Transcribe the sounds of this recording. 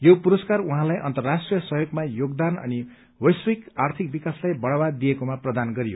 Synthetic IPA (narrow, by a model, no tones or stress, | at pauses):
jopuɾʌskaruɦãlajʔʌ̰nt̪ʌrːasʈrijʌsʌɦjoɡmajoɡd̪anʌ̰ni | wʌjsikart̪ʰik̚bikaslajbʌɽabad̪ːijekomaprʌd̪anɡʌɾijo